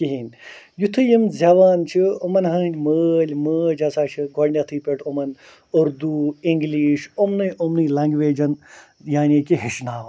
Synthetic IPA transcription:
kiɦinʲ | jut̪ʰɨjimzʲɐʋaːnt͡ʃʰiomɐnɦɐːnd͡ʒməːlʲməːd͡ʒɐsaːt͡ʃʰɨɡɔɽnʲɐt̪ʰɨːpʲeʈʰomɐn | uɾd̪uiŋɡliːʃomnɨjʔomnɨlɐŋɡʋeːd͡ʒɐn | jaːnʲiːkiɦeʃnaːʋɐ

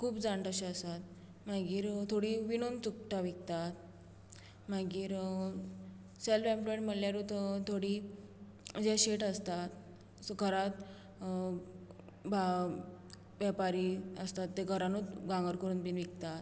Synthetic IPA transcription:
kʰuːpd͡zaɳʈəɕeəsat̪̚ | maɡiːɾt̪ʰoɽiːʋinont͡suk̚ʈaʋik̚t̪at̪̚ | maɡiːɾ | selfẽmploeɳʈm̤əljaɾut̪t̪ʰoɽi | d͡ʑɛɕeʈəst̪at̪ | ɡʱəɾat̪ | ba | ʋɛpaɾiːəst̪at̪ːeɡʱəɾanot͡sɡãŋɡəɾkəɾuːnbiːnʋik̚t̪at̪

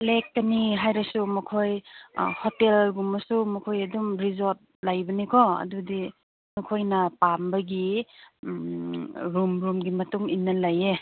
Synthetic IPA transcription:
lek̚taniɦajɾɐsumɐkʰoj̰hotelɡumɐsumɐkʰojɐdumɾizot̚lajbɐnikʰɔɐ̰dudi | mɐkʰojnɐpambɐɡi | ɾumɾumɡimɐtuŋinːɐlaje

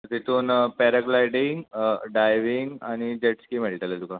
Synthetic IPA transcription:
t̪it̪ʰuːnpɛɾaklajɖiŋɡɖajʋiŋɡañid͡ʑeʈskiːmeɭʈ̪alad̪uka

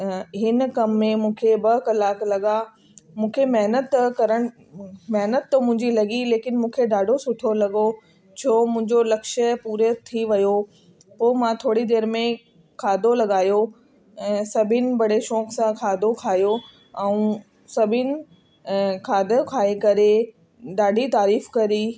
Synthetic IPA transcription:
ɦɪnkɐmːẽmũːkʰebɐɦkɐlaːklɐɠa | mũːkʰemɛɦnət̪kɐɾəɽ̃ | mɛɦnət̪ːmʊ̃ɦɪ̃ɲd͡ʑilɐɠileːkɪnmũːkʰeɖaːɖʱosʊʈʰolɐɠo | t͡ɕʰoːmʊ̃ɦɪ̃ɲd͡ʑolɐkʃəpuːɾet̪ʰiʋɐjo | poːmãt̪ʰoːɽid̪eːɾmẽ | kʰaːd̪ʱolɐɠaːjõ | sɐbʱɪnɪ̆bɐɽeʃɔːksãkʰaːd̪ʱokʰaːjo | ɛ̃ũ | sɐbʱɪnɪ̆ | kʰaːd̪əkʰaːekɐɾe | ɗaːɖʱit̪aːɾiːfkɐɾi

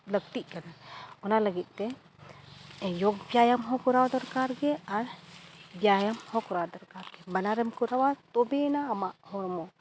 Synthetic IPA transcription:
ləɡ̚t̪iʔkanaɔnaləɡit̪̚t̪ɛ | joɡ̚bjajamɦɔkuɾawd̪ɔɾkaɾɡɛaɾbjajamhɔkuɾawd̪ɔɾkaɾɡɛbɐnaɾɛmkuɾawat̪ɔbenaːmaʔhɔɾmɔ

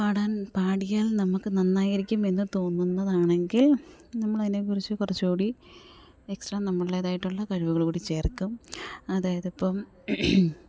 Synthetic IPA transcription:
paːɽaːnpaːɽijaːlnɐmukːɨnɐnːaːjiɾikʲːume̞nːɨt̪o̞ːnːunːɐðaːɳe̞ŋɡil | nɐmːɐɭɐðine̞k̬urit͡ɕːɨkurɐt͡ɕːukuːɽi | e̞ksʈrɐːnɐmːɐɭileːðaːjiʈːuɭːɐkɐɻuʋuɣɐɭkuːɽit͡ɕe̞ːrkːumɐðaːjɐðipːɐm

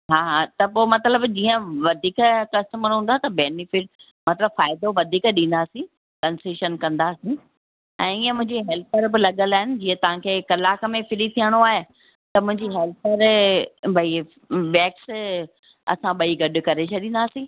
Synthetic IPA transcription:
ɦaːɦat̪ɐpoːmɐt̪ləbd͡ʑĩːə̃ʋɐd̪ʱiːkkɐstəməɾɦũːn̆d̪aːt̪ɐbeːnɪfɪʈ̚ | mɐt̪ləbfaːɪd̪oʋɐd̪ʱiːkɗĩːnd̪aːsĩ | kɐ̃nsiːʃənkɐ̃nd̪aːsĩ | ɛ̃ːiːə̃mʊ̃ɦɪ̃ɲd͡ʑiɦɛːlt̪̚ʰəɾbɪlɐɠəlaːɦɪnɪ̆d͡ʑĩːə̃t̪ɐʋ̤ãkʰeːkɐlaːkə̆mẽfʰɪlit̪ʰiəɽ̃oaːɦe | t̪ɐmʊ̃ɦɪ̃ɲd͡ʑiɦɛːlt̪ʰəɾbʱɐi | ʋɛːks | ɐ̰sãɓɐiɡɐɗʊ̆kɐɾet͡ɕʰɐɗĩːn̆d̪aːsĩː

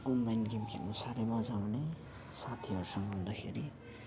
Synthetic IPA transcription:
ɔnlajnɡimkʰḛlosaɾemad͡zawne | sat̪ʰiɦʌɾusʌŋɡʱɦund̪akʰḛɾi

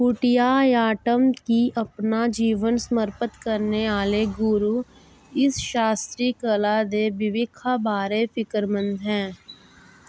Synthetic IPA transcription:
kʊʈɪjajaːʈəmkiʔɐpnad͡ʒiːʋənsəməɾpət̪kəɾneaːleɡʊɾu | ɪsʃaːst̪ɾikəlad̪ebɪʋɪkʰabaːɾefɪkəɾmə̃nd̪ɦɛ̃ː

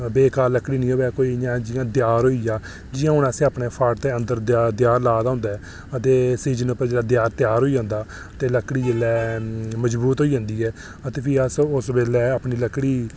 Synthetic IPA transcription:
beːkaːlːəkɽiːnĩːɦoːʋɛːkoːiːjãːd͡ʒɪjãːd̪ɪjaːɾɦoːiːjaː | d͡ʒɪjãːʊnaːsẽːaːpɳeːpʰaːʈt̪eːənd̪əɾd̪ɪjaːɾlaːd̪aːʊnd̪aːɛː | ət̪eːsiːd͡ʒənəpəɾd͡ʒeːɽaːd̪jaːɾt̪ɪjaːɾɦoːid͡ʒãːnd̪aː | t̪eːləkːɽiːd͡ʒeːlɛːməd͡ʒbuːt̪ɦoːiːd͡ʒãːnd̪iːɛː | ət̪eːpʰiːəsʊsbeːlɛːaːpɳiːləkːɽiː

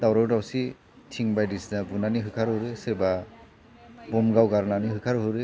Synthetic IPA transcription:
dawɾawdawsi | tʰiŋbajdisnabunaniɦɯkʰaɾɦɯɾeseba | bɔmɡawɡaɾnaniɦɯkʰaɾɦɯɾe

